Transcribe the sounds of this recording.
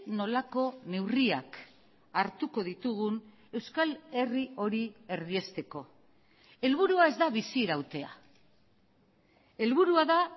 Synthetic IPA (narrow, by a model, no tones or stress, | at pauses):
no̞lako̞ne̞wriak | aɾt̪uko̞ð̞it̪uɣun | e̞wskale̞rio̞ɾie̞ɾðie̞st̪e̞ko̞ | e̞lβuɾuae̞zd̪aβisiɾawt̪e̞a̰ | e̞lβuɾuaða